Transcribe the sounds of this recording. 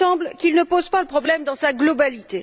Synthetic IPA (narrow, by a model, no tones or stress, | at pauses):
ɑ̃blkʲilnəpozpaləpχɔblɛmd̪ɑ̃saɡlɔbalit̪e